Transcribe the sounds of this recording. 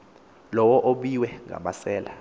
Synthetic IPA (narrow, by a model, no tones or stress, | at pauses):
lɔwɔʔoɓiwɛŋʱa̰ɓasɛːla